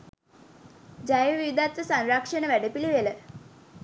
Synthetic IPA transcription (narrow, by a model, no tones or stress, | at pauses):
d͡ʒajəʋiʋid̪at̪ʋəsanɾakʂənəʋæɖəpiliʋelə